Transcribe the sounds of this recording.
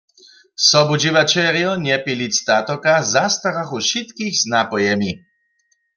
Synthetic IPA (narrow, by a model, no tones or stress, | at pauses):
sɔbud͡ʒivat͡ʃɛʁjɔnɛpilist̪at̪ɔkazast̪aʁaxuʃit̪kiɣznapɔjɛmi